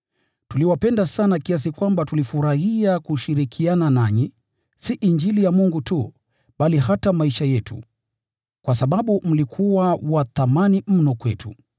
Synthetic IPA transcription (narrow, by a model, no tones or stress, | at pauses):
tuliwapɛndasanakias̬ikwambatulifuɾahiakuʃiɾikʰiananaɲi | siʔiɲd͡ʒilijamuŋɡutu | ɓalihatamaiʃajɛtṵ | kwasaɓaɓum̩likʰuwawaθamanim̩nɔkwɛtṵ